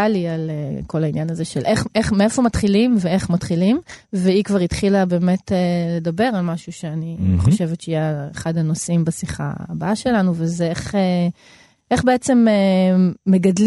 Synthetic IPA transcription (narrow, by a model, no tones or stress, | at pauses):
alialeko̞lainjanazeʃelʔeχʔeχmeefo̞mat̪χilimvee̞χmatχilimveikvaʁit̪χilabe̞ːme̞tele̞d̪abe̞ʁalmaʃuʃe̞aniχoʃevetʃeijeeχad̪hanosimbasiχa̰ːbaaʃe̞lanuvezeeχe | ʔeχbe̞et͡se̞meː | e̞ɡadl